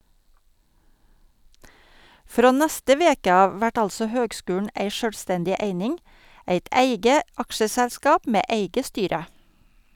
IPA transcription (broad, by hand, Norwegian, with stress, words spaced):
ˈfɾoː ˈnæstə ˈʋeːkə ˈɑːʋ ˈʋæʈ ˈɑlsɔ ˈhøːɡˌskʉːɳ̩ ˈeɪ ˈʃøːlˌstɛndɪ ˈeɪnɪŋ ˈeɪt ˈæɪɡə ˈɑkʃəsɛlˌskɑːp ˈmeː ˈeɪɡə ˈstyːɾə